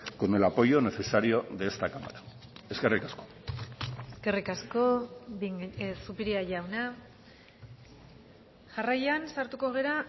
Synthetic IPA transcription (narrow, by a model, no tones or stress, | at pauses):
konelapo̞jo̞ne̞se̞saɾio̞ðest̪akama̰ɾa | eske̞rikasko̥ | eske̞rikasko̞ | supiɾiaʝawna | ʝarajansaɾt̪uko̞ɣ̞e̞ɾa